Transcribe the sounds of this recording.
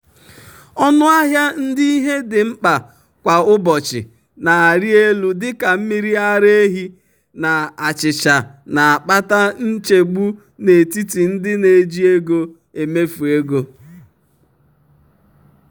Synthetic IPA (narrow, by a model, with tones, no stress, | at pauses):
ɔ˦nʊ˦a˦ɦja˦n̩˦di˦i˦ɦe˦dɪ˨ŋ͡m̩˦k͡pa˨ | kʷa˨ʊ˦bɔ˨t͡ʃɪ̰˨ | na˨a˨ɾi˦e˦lu˨dɪ˦ka˨m̩˦mi˦ɾi˦a˦ɾe˦ɦi˦ | na˨a˨t͡ʃɪ˨t͡ʃa˨na˨a˨k͡pa˦ta˦n̩˦t͡ʃe˨ɡ͡bu˦ | ne˨ti˦ti˨n̩˦dɪ˦ne˨d͡ʒi˦e˦ɡo˦ | e˨me˦fu˨e˦ɡo˦